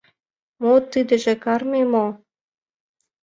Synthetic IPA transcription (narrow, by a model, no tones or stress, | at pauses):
mot̪ɨd̪ə̆ʒĕkɑrmemo